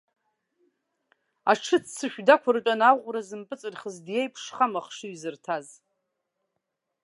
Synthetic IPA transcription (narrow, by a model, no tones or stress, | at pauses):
aʈ͡ʂʰɨt͡sʰt͡sʰɨʃᶣdakʷʰaɾt͡ʃʷʼanawqʷʼrazɨmpʼɨt͡sʼɨrχəzdjejpʰʂχamaχʂɨɥzɨrtʰaz